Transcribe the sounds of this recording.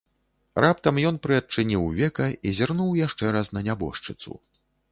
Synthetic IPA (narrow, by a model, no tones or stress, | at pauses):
rʔap̚t̪ɐmjɔn̪pɾɨɐt͡ʂɨnʲiwvʲɛkɐizʲarnuwjaʂt͡ʂɛɾasnɐnʲabɔ̰ʂt͡ʂɨt̪sṵ